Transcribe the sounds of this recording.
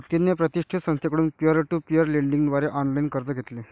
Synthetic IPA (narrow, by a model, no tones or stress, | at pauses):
t̪inːepɾət̪iʂʈʰit̪sə̃ŋsekəɽuːnpjəɾəʈuːpiəɾleɳɖiŋɡd̪ʋaɾeʔɔnlainkəɾt̪əɡʱet̪le